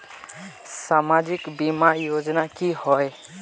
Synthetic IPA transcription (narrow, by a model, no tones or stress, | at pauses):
samad͡ʒikbimajod͡ʒnakihɔj